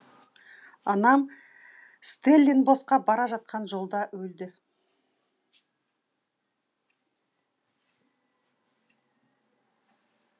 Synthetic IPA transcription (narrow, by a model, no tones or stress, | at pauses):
ɑnɑm | st̪elʲːenbo̞sqɑbɑɾɑʒɑt̪̚qʰɑnʒo̞lˠd̪ɑwɵld̪ɪ